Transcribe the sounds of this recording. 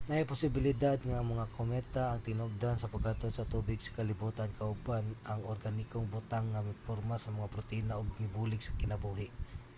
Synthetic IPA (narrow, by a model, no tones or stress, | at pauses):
najpʊsɪbɪlɪd̪ad̪̚ŋɐŋmɐŋakomɛt̪aɐŋt̪ɪnoɡ̚d̪ansɐpaɡat̪onsɐt̪uːbɪɡsɐ̥kɐlɪbuːt̪ankʰɐʊbanɐŋoɾɡanɪkoŋbʊt̪aŋːɐmɪpoɾmasɐmɐŋapɾot̪ɛinaʔoɡ̚nɪbuːlɪɡsɐkɪnɐbuːɦɪʔ